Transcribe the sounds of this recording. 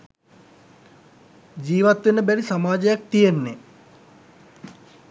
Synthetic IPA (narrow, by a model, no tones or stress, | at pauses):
d͡ʑiːʋat̪ʋenəbæɾisamaːd͡ʒəjak̚t̪ijenːe